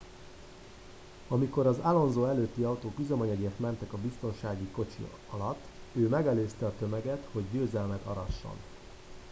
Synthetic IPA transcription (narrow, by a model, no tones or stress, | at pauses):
ɒmiko̞ɾɒzalo̞nzoːɛløːt̪ːiɒut̪oːkyzømɒɲɒɡeːrt̪mɛnt̪ɛkɒbist̪o̞nʃaːɡiko̞t͡ʃḭ | ɒlɒt̪ːøːmɛɡɛløːst̪ɛɒt̪ø̞mɛɡɛt̪ho̞ɟːøːzɛlmɛt̪ɒ̰ɾɒʃːo̞̰n